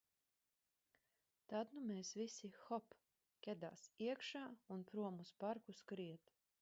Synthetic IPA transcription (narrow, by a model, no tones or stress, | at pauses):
t̪ad̪numɛːsvisixɔp | kʲɛd̪a̰ːsiɛkʃaːunpɾuɔmuspaɾkuskɾiɛt̪